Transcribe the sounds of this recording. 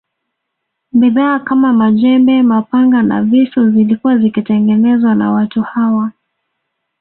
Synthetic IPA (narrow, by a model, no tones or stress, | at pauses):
biðaːkamamaʄɛmbɛmapaŋɡana̰visuzilikuwazikitɛŋɡɛnɛzwana̰watuhawa